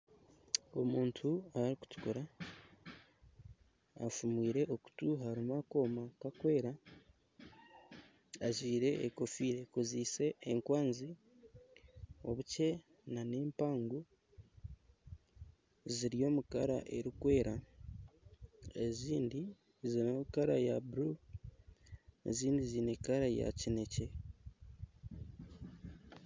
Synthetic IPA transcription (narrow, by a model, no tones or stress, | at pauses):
o̞muːntʰuaɾiku̥tu̥koɾa | fumwiːɾe̞ʔoku̥tuɦaɾimako̞ːmakakwe̞ːɾa | aʒiːɾe̞ːko̞fiːɾe̞koziːse̞ːŋkwaːnzi | o̞βuce̞ | naneːmpaːŋɡu | ziɾijo̞ːmukaɾa̰ʔe̞ɾikwe̞ːɾa | eziːndi | zinokaɾajabuɾu | ḛziːndizinekaɾaja̰cine̞ce̞